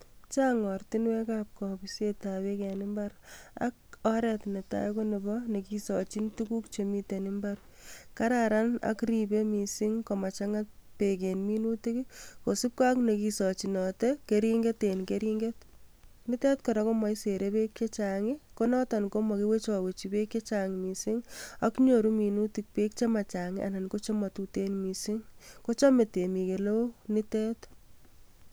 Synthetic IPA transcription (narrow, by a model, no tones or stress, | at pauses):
t͡ʃaŋɔrtinwɛkap̚kɔbisjetawekɛnɪmbaɾa̰k̚ɔɾɛtneta̰jkonibɔnekisɔt͡ʃintukukt͡ʃemitenɪmbaɾ | kaɾaɾana̰kɾibemisiŋkɔmat͡ʃaŋat̚pek̬enminutekikosip̚kaknekisɔt͡ʃinɔtɛkeɾiŋɡetenkeɾiŋɡetnɪtɛtkɔɾakomaiseɾepekt͡ʃet͡ʃaŋɪkonɔtankomɔkiwet͡ʃɔwet͡ʃibekjet͡ʃaŋɪmisiŋakɲoɾuminutik̚pek̚t͡ʃemat͡ʃaŋɪʔa̰nankot͡ʃɔmatutenmisiŋkot͡ʃɔmetemikelonɪtɛt